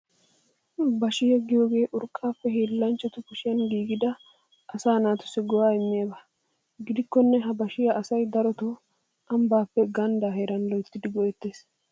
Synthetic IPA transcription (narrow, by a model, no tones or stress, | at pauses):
bɐʃɪhɛɡːɪjo̞ːɡe̞ːʔʊɾkʼːaːfːɛɦiːlːɐnt͡ʃːɐt̪ʊkʊʃɪjɐnɡiːɡɪd̪ɐ | ɐsaːnaːt̪ʊ̥sɪɡɔwaːɪmːɪjabɐ | ɡɪd̪ɪkːɔnːɛɦɐbɐʃɪjɐʔɐsɐjd̪ɐɾɔt̪ɔ | ʔɐmbaːpːɛɡɐnd̪aːɦeɾɐnlɔjt̪ːɪd̪ɪɡɔʔɛt̪ːe̞ːs